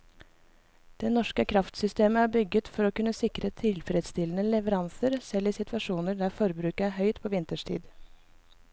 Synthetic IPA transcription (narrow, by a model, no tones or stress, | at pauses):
d̪̥ɛnɔʂkəkʰɾɑft̪sʏst̪eːməhæːbʏɡət̪fɔɾoːkʉnːəsɪkɾət̪ʰɪlfɾɛd̪st̪ɪlənəlɛʋəɾɑnsəɾsɛlːɪːsɪt̪ʰʋɑʂuːnəɖ̪æːfɔɾbɾʉːkəæɦœʏt̪pʰoːʋɪnt̪əʂtʰḭːd̪